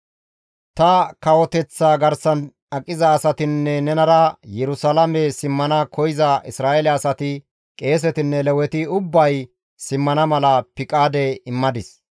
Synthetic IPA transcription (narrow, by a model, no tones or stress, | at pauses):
t̪ɐkɐwɔt̪ɛt͡sːaːɡɐɾsɐn | ɐkʼːɪzɐːsɐt̪ɪnːɛnɛnɐɾɐjɛɾʊsɐlɐmɛsɪmːɐnɐkʰɔjɪzɐʔɪsɾaːelɛɐsɐt̪ɪ | kʼe̞ːs̬ɛt̪ɪnːɛlɛwɛt̪ɪʊbːɐj | sɪmːɐnɐmɐlɐpɪkʼaːd̪ɛɪmːɐd̪ɪs